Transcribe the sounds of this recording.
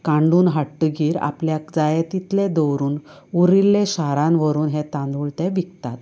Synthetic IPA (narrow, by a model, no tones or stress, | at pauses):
kãɳɖuːnɦaʈːəɡiːɾa̰pljakd͡zajet̪it̪led̪ɔwɾuːnuɾilːẽɕaɾãnʋəɾuːnɦet̪ãnd̪ʱuɭt̪ɛʋʱikt̪at̪